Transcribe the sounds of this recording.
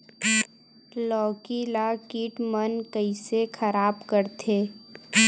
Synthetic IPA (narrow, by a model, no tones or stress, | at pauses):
lɔːkilakiːʈmənkəisekʰəɾaːbkəɾt̪ʰeː